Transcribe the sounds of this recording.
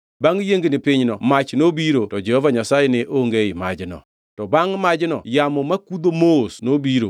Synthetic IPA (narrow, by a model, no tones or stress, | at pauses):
baŋjeŋɡnɪpɪɲnɔmat͡ʃnobiɾotɔd͡ʒɛhɔvaɲasajɛnɛʔoŋɡeɪma̰d͡ʒnɔ̰ | tɔbaŋmad͡ʒnɔ̰jamɔmakud̪omosnobiɾo̰